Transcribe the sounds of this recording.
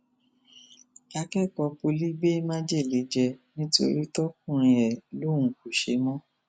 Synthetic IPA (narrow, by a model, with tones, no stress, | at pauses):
a˧kɛ˦˨kɔ˧po˧li˦ɡ͡be˦mã˦d͡ʒe˦˨le˨˦d͡ʒɛ˧nĩ˦to̰˧˦ɾi˦tɔ˦k̚ũ˦˨ɾ̃ĩ˧ɛ˨lo˦˨ũ˨ku˨ʃe˨˦mɔ̃˦